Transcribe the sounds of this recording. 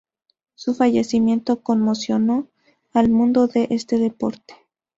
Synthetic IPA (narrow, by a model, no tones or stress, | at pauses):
sufaʝe̞simjẽ̞nt̪o̞ko̞nmo̞sjo̞no̞ | almũnd̪o̞ðe̞ʔe̞st̪e̞ðe̞po̞ɾt̪e̥